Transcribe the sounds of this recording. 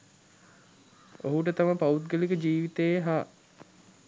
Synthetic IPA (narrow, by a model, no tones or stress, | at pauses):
oɦuʈət̪amapaut̪ɡəlikəd͡ʒiːʋit̪ejɦaː